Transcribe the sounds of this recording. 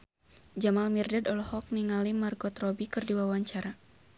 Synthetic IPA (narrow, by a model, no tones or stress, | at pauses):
d͡ʒamalmirdadɔlɔhɔk̚niŋalimarɡɔt̪rɔbikɨrdiwawaɲt͡ʃaɾa